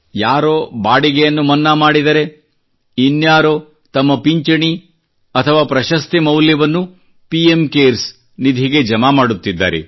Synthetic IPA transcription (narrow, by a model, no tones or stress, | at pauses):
jaːɾoːbaːɽiɡɛjɐnːumɐnːaːmaːɽid̪ɐɾe̞ | injaːɾo | t̪ɐmːɐpiɲt͡ʃɐɳi | ɐt̪ʰɐʋaːpɾɐʃɐst̪imɐwljɐʋɐnːu | piemkeːɾs | nid̪ʱiɡe̞d͡ʒɐmaːmaːɽut̪ːid̪ːa̰ːɾḛ